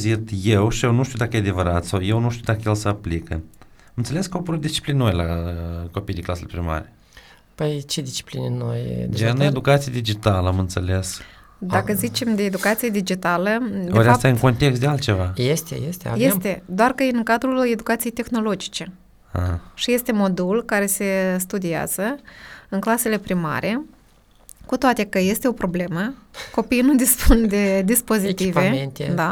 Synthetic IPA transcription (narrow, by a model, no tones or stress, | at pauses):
zit̪je̞wʃijewnuʃt̪iud̪akəjead̪e̞vəɾat̪sawje̞wnuʃt̪iuwd̪akəjelsəaplikə | amɨnseleskəopoɾut̪̚d̪ist͡ʃi̥plinnojlako̞pijd̪iŋklaselepɾima̰ɾe | pəjt͡ʃed̪ist͡ʃi̥plinḛnojd͡ʒened̪ukat̪sijed̪id͡ʒit̪aləamɨnt̪sele̞s | d̪akəzit͡ʃe̞md̪eːd̪ukat̪sijed̪id͡ʒit̪aləd̪eoɾast̪aɨŋko̞nt̪e̞kst̪d̪ealt̪t͡ʃe̞va̰jest̪ḛjest̪ea̰jjest̪e̞d̪oarkəɨŋkad̪ɾule̞d̪ukat̪sijejt̪e̞xno̞lo̞d͡ʒi̥t͡ʃe̞ | ha̰ʃije̞st̪e̞mo̞d̪ulkaɾe̞se̞st̪ud̪ia̰z̥əɨŋklase̞le̞pɾima̰ɾʔe̞ | kut̪oat̪e̞kəje̞st̪e̞o̞pɾo̞ble̞məko̞pijnud̪ispund̪e̞d̪ispo̞zit̪ive̞ent̪d̪a